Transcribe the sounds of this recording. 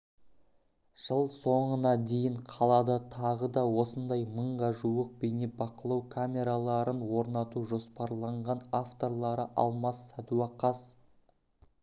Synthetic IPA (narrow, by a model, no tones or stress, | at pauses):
ʒ̥əlˠso̞ɴənɑd̪e̞jɪɴqʰɑlˠɑd̪ɑt̪ʰɑʁəd̪ɑwo̞sənd̪ɑjməɴʁɑʒuwəq̚benebɑqəlˠɑwkʰamʲe̞ɾalˠɑɾənwo̞ɾnɑt̪uʒo̞spɑɾlˠɑɴʁɑnaft̪o̞ɾlˠɑɾəʔɑ̰lˠmɑsːad̪uɑqɑs